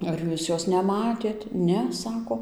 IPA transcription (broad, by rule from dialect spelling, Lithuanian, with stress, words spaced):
ɐr ˈjuːs ˈjoːs nʲɛˈmɑːtʲeːt ˈnʲɛ ˈsɑːkoː